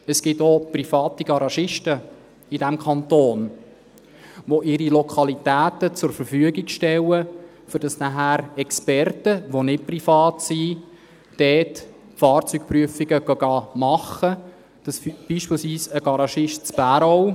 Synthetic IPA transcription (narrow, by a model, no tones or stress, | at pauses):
əsɡ̥ɪtoprifɑːtiɡ̥ɑɾɑʃɪʃtə | idæmkʰɑnt̪oːn | ʋoʔɪɾilɔkʰɑlitæːtət͡sʊɾfəɾfyəɡɪɡʃtɛlə | fʏɾd̥ɑsnæɦæːɾɛkspɛrtəʋonɪt̚prifɑːtsi | d̥ɛːt | fɑːrt͡syk̚pryəfɪɡəɡ̥ɑɡ̥ɑːmɑχə | d̥ɑsfb̥iːʃpɪːlsʋiːsəɡ̥ɑɾɑʃɪʃtt͡sb̥æːɾɔw